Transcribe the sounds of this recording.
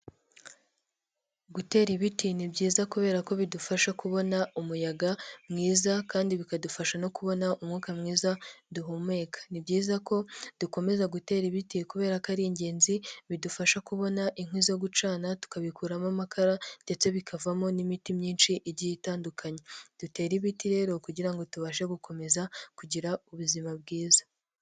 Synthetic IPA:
ɡute̞ːɾiβitinibɟiːzakuβe̞ːɾako̞βidufaʃakuβo̞naumujaɡamŋiːzakaːndiβikadufaʃano̞kuβo̞naʔumŋuːkamŋiːzaduɦume̞ːkʰḁnibɟiːzako̞d̥uko̞me̞zaɡute̞ːɾiβitikuβe̞ːɾakaɾiːɲɟe̞ːnziβidufaʃakuβo̞naʔiŋ̥hwizoɡut͡ʃaːnatu̥kaβikuːɾamamakʰaɾande̞t͡se̞βikʰavamo̞nimitimɲiːnʃiʔɾɟijitaːndukʰaɲe̞d̥ute̞ːɾiβitiɾe̞ɾo̞kuɟiɾaŋɡo̞tuβaʃe̞ɡuko̞me̞zakuɟiɾauβuzimabɡiːzḁ

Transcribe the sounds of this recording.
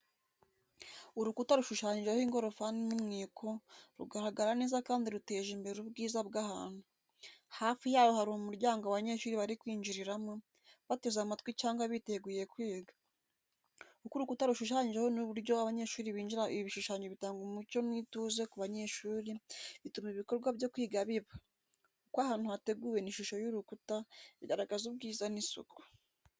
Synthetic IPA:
uɾukutaɾuʃuʃaːɲiʒehiŋɡo̞ɾofaninumŋiːkʰo̞ɾuɡaɾaɡaɾane̞ːzakaːndiɾute̞ːʒiːmbe̞ɾeɾubɡiːzabɡahaːnu | haːfijaːβohaɾumumuɾɟaːŋɡoaβaɲe̞ʃuːɾiβaɾikwiːɲd͡ʒiɾiɾamo | βatezamatkwit͡ʃaːŋɡaβite̞ɡuje̞kwiːɡa | ukuɾukutaɾuʃuʃaːɲɟehonuβuɾɟo̞aβaɲe̞ʃuːɾiβiːɲd͡ʒiɾaiβiβiʃuʃaːɲd͡ʒeβitaːŋɡumumuco̞nwituze̞kuβaɲe̞ʃuːɾiβitumiβiko̞ɾɡwaβjo̞kwiːɡaβiβa | kukwahaːnhuate̞ɡuɾe̞niʃuʃo̞juɾukutaidaɾaɡazubɡiːzanisṵku̥

